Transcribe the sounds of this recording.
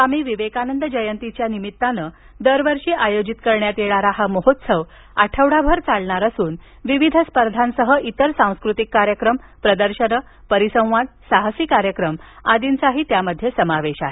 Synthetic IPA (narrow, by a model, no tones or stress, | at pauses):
amiːʋiʋekanənd̪əd͡ʑəjənt̪it͡ɕjanimit̪ːanə | d̪əɾʋəɾʂiːʔajod͡ʑit̪kəɾɳjat̪jeɭaɾaɦaməɦot̪səʋ | aʈʰəʋɽabʱəɾt͡saɭɳaɾasuːn | ʋiʋid̪ʱəspəɾd̪ʱansəɦəʔit̪əɾsãw̃skɾut̪ikːaɾjəkɾəm | pɾəd̪əɾɕənə | pəɾisə̃w̃ʋad̪̚saɦasiːkaɾjəkɾəmad̪int͡saɦiːt̪jaməd̪ʱːjesəmaʋeɕaɦe